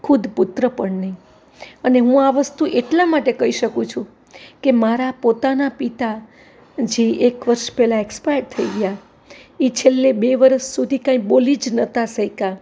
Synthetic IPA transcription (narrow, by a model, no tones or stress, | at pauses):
kʰud̪put̪ɾəpəɳnəĩ | əneɦũaʋəst̪uʔeʈlamaʈekəɦiʃəkũt͡ʃʰũ | kemaɾapot̪anapit̪a | d͡ʒiʔekʋəɾʃpɛlaekspajʈ̚t̪ʰəiɡəja | it͡ʃʰelːebeʋəɾəsːud̪ʱikãĩbolid͡ʒnət̪asəjka